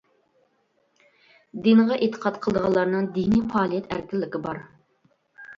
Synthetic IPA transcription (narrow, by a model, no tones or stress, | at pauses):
d̪inʁɑʔet̪ʰːə̥qʰɑt̪qʰəlˠd̪əʁɑlˠːɑɾnɨŋd̪inipɑːlˠijɛt̪ʰæ̰ɾkʰʲɪlːɪkʲɪbɑɾ